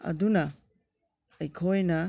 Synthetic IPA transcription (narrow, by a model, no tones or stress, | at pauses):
ɐ̰dunɐ | ɐjkʰojnɐ